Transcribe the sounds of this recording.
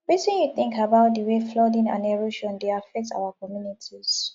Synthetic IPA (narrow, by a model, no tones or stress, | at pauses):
ɹitĩnjuθɪ̃ŋkabaʊt̚dəweflɔdĩŋã̰nɛɹoʃɔ̃ndeafɛk̚ta̰ʊakɔmjunitʰiz̥